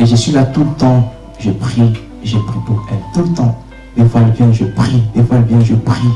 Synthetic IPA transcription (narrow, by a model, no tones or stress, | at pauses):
eʒəsɥilat̪ulət̪ɑ̃ | ʒəpχi | ʒepχipuʁɛlt̪ult̪ɑ̃ | defwaɛlvjɛ̃ʒəpχid̪efwaɛlvjɛ̃ʒəpχi